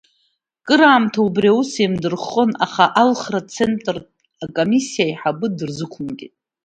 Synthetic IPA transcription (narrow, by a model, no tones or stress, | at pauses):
kʼɨɾaːmtʰaubrjausemdɨrχonaχaʔalχrat͡sʰe̞ntʼr | akʼomisːijajħabɨdɨrzɨkʷʰʊmɡʲitʼ